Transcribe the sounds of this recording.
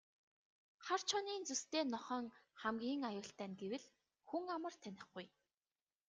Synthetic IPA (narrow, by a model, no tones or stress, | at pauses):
χar̥t͡ɕʰɔniːnt͡sɵst̪eːnɔχœːŋχæmɡʲiːŋajʊːɬt̪æːnɡewɘ̆ɮ | xuŋamə̆rt̪ʰænʲɪ̆χɡuj